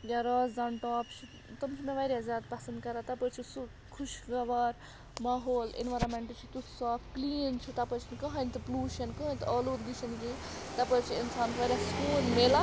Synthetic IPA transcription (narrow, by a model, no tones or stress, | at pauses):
jaɾaːzd̪anʈaːpt͡ʃʰi | t̪ɐmt͡ʃʰimeʋɐjɾʲjazʲjaːd̪pɐsɐnd̪̚kɐɾat̪ɐpət͡ʃʰisu | kʰuʃɡɐʋaːɾ | mɐɦoːlḭnʋaɾɐmeɳʈt͡ʃʰit̪usaːpkliːnt͡ʃʰut̪ɐpət͡ʃʰinikɐɦɐnʲt̪ɨpluːʃɐnkɐɦənʲt̪ɐluːd̪iʃʰɐnket̪ɐpət͡ʃʰiinsaːnʰʋɐɾʲaskuːnmeːla